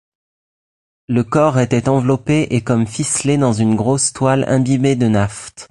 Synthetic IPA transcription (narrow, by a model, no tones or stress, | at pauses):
ləkɔʁet̪ɛt̪ɑ̃vlɔpeʔekɔmfisled̪ɑ̃zynɡʁost̪walɛ̰̃bibed̪ənaft̪